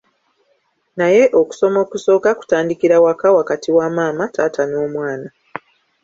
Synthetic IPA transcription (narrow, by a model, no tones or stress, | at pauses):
naje̞ʔo̞ku̥so̞mo̞ːkuso̞ːkaku̥taːndikiɾawakawakatʰiwamaːmataːtano̞ːmwaːna